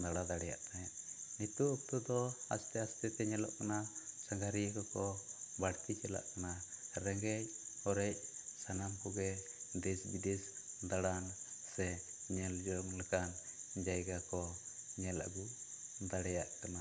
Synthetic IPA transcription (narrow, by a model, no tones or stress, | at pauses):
d̪aɽad̪aɽɛja̰ʔt̪ajaʔnit̪uʔːk̚t̪ud̪ɔa̰st̪ɛast̪ɛt̪ɛɲɛlɔ̰ʔkanasaŋɡaɾikɔkɔbaɽt̪it͡ʃɛla̰ʔkanaɾɛŋɡɛjɔɾɛc̚sanamkɔɡɛd̪ɛsbid̪ɛsd̪aɽansɛɲɛld͡ʒɔɔŋlɛkand͡ʒajɡakɔɲɛla̰ɡuʔ | d̪aɽɛjaʔkana